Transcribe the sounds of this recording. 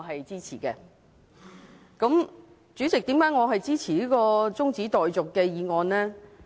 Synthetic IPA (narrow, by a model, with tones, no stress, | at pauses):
ɦɐ˨jt͡siː˥t͡sʰḭː˨˩kɛː˧ | kɐ˨˥m | t͡syː˨˥t͡sɪ˨k̚t̪iː˨˥mkaː˨˥jŋɔː˨˧ɦɐ˨jt͡siː˥t͡sʰiː˨˩liː˨˥kɔː˧t͡sʊ˥ŋt͡siː˨˥t̪ɔː˨jt͡sʊ˨kːɛː˧jiː˨˧ŋɔː˨˧nlɛː˥